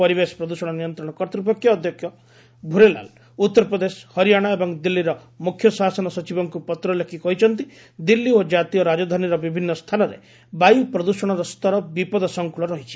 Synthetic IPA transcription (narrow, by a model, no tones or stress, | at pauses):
ɔɾibespɾɔd̪usɔɽ̃ɔnijɔnt̪ɾɔɽ̃ɔkɔɾt̪ɾip̬ɔkʰjɔːd̪ʱjɔkʰjɔ | bʱuɾela̰l | ut̪ːɔɾɔpɾɔd̪eshɔɾijaɽ̃aebɔŋd̪ilːiɾɔ | mukʰːjɔsasɔnɔsɔt͡ʃibɔŋkupɔt̪ɾɔlekʰikɔɦit͡ʃʰɔnt̪i | d̪ilːiod͡ʒat̪ijɔɾad͡ʒɔd̪ʱaniɾɔbibʱinːɔst̪ʰanɔɾḛ | bajupɾɔd̪usɔɽ̃ɔɾɔst̪ɔɾɔbipɔd̪ɔsɔŋkuɭɔɾɔɦit͡ʃʰi̥